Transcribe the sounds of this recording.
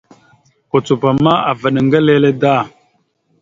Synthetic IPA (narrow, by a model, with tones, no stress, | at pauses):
ko˨t͡su˨pa˨ma˦a̰˨və˨ɗə˨ŋɡə˦le˦le˦da˦˨